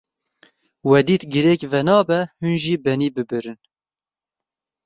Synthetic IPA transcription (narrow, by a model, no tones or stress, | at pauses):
wɛd̪iːt̪ɡɪɾɛːkvɛnɑːbɛhunʒiːbɛniːbɨbɨɾɨn